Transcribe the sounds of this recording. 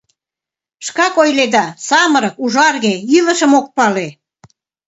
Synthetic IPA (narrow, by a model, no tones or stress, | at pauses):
ʃkɑkojled̪ɑsɑməɾəkuʒɑrɣeylə̆ʃəmok̚pɑle